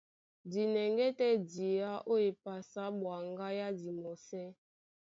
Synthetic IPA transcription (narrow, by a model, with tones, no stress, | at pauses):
di˨nɛ˨ŋɡɛ˦tɛ˦di˨ja˦ʔo˦e˨pa˨sa˨˦ɓwa˨ŋɡa˦ja˦di˨mɔ˨sɛ˦